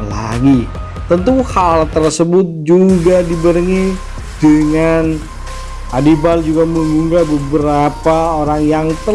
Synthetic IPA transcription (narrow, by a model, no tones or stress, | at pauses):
la̰ɡi | t̪ənt̪uhalt̪ərsəbʊt̪̚d͡ʒuɡadibəɾiŋi | d̥əŋan | adibald͡ʒuɡaməŋuŋɡabəbəɾapaoɾaŋjaŋt̪ə